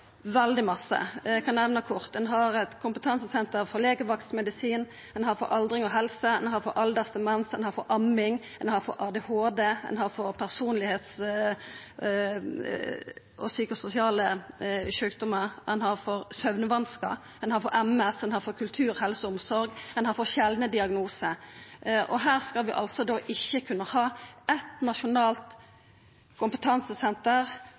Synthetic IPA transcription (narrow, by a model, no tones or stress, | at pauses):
ʋɛld̪ɪmɑsːə̰kʰɑnnɛʋnəkʰʊɾt̪ɛnɦɑɾɛt̪kʰʊmpət̪ʰɑnsəsɛnt̪əɾfɔɾleːɡəʋɑkt̪smɛd̪ɪsiːn | ɛnhɑɾfɔ̰ɾʔɑld̪ɾɪŋɔɦɛlsəɛnhɑɾfɔɾʔɑld̪ɑst̪əmɛnsɛnhɑɾfɔɾʔɑmːɪŋ | ɛ̰nhɑɾfɔ̰ɾʔɑːd̪ɛhoːd̪eɛ̰nhɑɾfɔɾpʰæʁsuːnlɪheːt̪s | ɔsyːkəsʊsɪɑːləʃøːk̚d̪ɔməʁd̪ɛ̰nhɑʁfɔɾsœʉʋnəʋɑnskə̰ | ɛnhɑːɾfɔɾɛmɛsdɛnhɑːɾfɔkʰʉlt̪ʰʉːɾhɛlsəʊmsɔɾɡ̪ɛnhɑːɾfɔɕɛld̪nəd̪ɪɑɡnuːsə | ʔɔɦæːʁskɑlʋɪʔɑ̰lsɔd̪oːʔɪçːəkʰʉnːəhɑːʔɛt̪nɑʃʊnɑːlt̪ | kʰʊmpət̪ʰɑnsəsɛnt̪əʁ